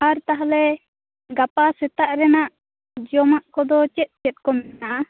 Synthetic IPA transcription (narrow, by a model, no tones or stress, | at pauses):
aɾt̪aɦalɛ | ɡapasɛt̪aʔɾɛnaʔ | d͡ʒɔmaʔkɔd̪ɔt͡ʃɛt̪̚t͡ʃɛt̪̚kɔmɛaʔa